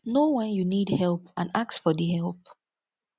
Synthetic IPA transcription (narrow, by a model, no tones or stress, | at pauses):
nowãnjunidhɛlpãnaksfɔðihɛlˠp̚